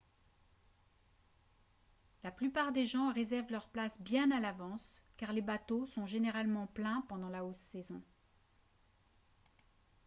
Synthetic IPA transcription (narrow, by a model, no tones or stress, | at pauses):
laplypaʁd̪eʒɑ̃ʁezɛʁvlœʁplasbjɛ̃nalavɑ̃skaʁlebat̪osɔ̃ʒeneʁalmɑ̃plɛ̃pɑ̃d̪ɑ̃laosːɛzɔ̃